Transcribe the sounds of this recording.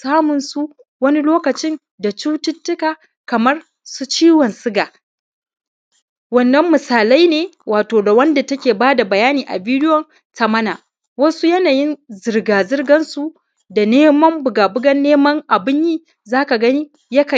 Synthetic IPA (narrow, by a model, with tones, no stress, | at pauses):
saː˦mʊ˨nsu˦ | wɐ˦ni˦loː˦kɐ˨t͡ʃɪ˦n | da˨t͡ʃuː˦tʊ˦tːʊ˦kaː˨ | kɐ˨mɐ˦r | su˦t͡ʃiː˦wɐ˨nsɪ˦ɡaː˨ | wɐ˦nːɐ˦mːɪ˨saː˨la˦jneː˨wʔaː˨toː˨da˨wɐ˦nda˨tɐ˦kʲeː˨baː˦da˨bɐ˨jaː˦niː˨ʔa̰˨biː˦dɪ˦wɔ˨n | sɐ˨mɐ˦naː˨ | wɐ˦su˦jɐ˦naː˨jɪ˦nzɪ˨rɡaː˨zɪ˦rɡɐ˦nsu˦ | da˨neː˦mɐ˦mbʊ˨ɡaː˨bʊ˦ɡɐ˦nːeː˦mɐ˦ŋʔa˨bɪ˦ɲjiː˦ | zaː˦ka˨ɡɐ˦ni˦ | jɐ˦ka˨